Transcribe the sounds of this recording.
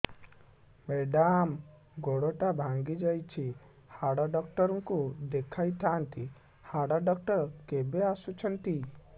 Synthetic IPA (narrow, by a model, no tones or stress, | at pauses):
meɖam | ɡoɽoʈabʱãŋɡid͡ʒajt͡ʃʰi | haɽaɖɔk̚ʈəɾuŋkud̪ekʰajt̪ʰant̪ʰi | haɽaɖɔk̚ʈəɾkebeasut͡ʃʰənt̪i